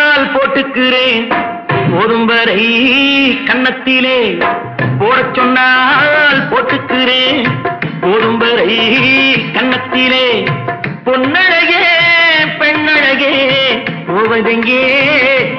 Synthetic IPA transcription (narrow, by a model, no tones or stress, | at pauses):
lpoːʈːɯkːɪɾeːn | pooːðɯmbɐɾɐɪ | kɐɳːɐt̪ːɪleː | poːɾɐt͡ʃːɔnːaːlpoːʈːɯkːɪɾeːnpoːðɯmbɐɾɐɪ | kɐɳːɐt̪ːɪleː | pɔnːɐɽɐɣe | pɛɳːɐɻɐɣe | poːʋɐðɐŋɡeː